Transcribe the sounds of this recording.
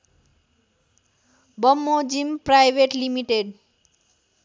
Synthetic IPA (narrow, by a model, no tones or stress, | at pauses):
bʌmːod͡zimprajbeʈlimiʈeɖ